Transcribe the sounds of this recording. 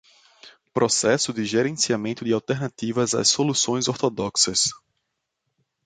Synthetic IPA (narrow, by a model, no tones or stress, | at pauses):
pɾʔɔsɛsʊd̪ɪʒɛɾẽsiamẽnt̪ʊd̪ɪawt̪ɛɾnat̪ivɐza̰sːolusõj̃zɔɾt̪ɔd̪ɔksɐs